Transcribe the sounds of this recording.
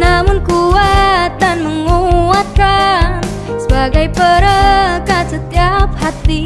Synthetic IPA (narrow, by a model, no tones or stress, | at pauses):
namunkuwat̪anməŋɡowat̪ɾa | sbaɡajpəɾəkat͡sət̪japʰat̪ːi